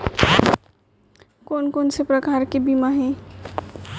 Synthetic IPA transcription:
koːnkoːnsepɾəkaːɾkebimaɦɛ̃ː

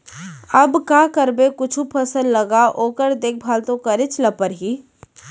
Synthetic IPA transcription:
ɐbkaːkəɾbekʊt͡ʃʰupʰɐsəlːɐɡaʔoːkəɾd̪eːk̚ʰbʱaːlt̪õkɐɾɪt͡ʃlɐpəɾɦiː

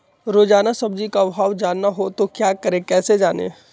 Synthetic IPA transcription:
ɾoːd͡ʒaːnasɐb̚d͡ʒikabʱaːʋd͡ʒaːnːaɦot̪okjaːkəɾẽkɛːsed͡ʒaːnḛː

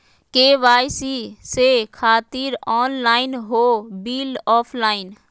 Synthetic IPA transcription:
keːʋaːjsisekʰaːt̪iːɾɔːnlaːɪnɦoːbiːlɔːpʰlaːɪn

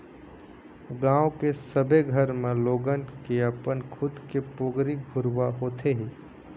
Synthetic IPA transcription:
ɡãːokesəbʱeɡʱəɾmẽloːɡənʈkeɐpənkʰʊd̪kepʊːɡɾiɡʱʊɾwaɦoːt̪ʰeɦiː

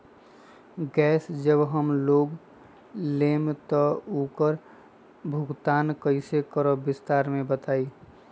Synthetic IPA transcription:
ɡɛːsd͡ʒəbɦəmloɡ | lemt̪ɔukəɾ | bʱʊɡt̪aːnkəɪsekəɾɔbɪst̪aːɾmẽbət̪aːi

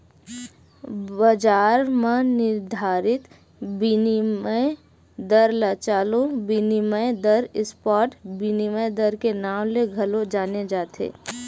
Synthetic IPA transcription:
bɐd͡ʒaːɾmãnɪɾd̪ʱaːɾɪt̪ | binimə | d̪əɾlat͡ʃaːlobiniməjd̪əɾɪspɔːʈbiniməjd̪əɾkenaːmleɡʱɐlod͡ʒaːned͡ʒaːt̪ḛː

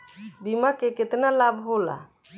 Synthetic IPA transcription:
bimakeket̪nalabʱɦola̰

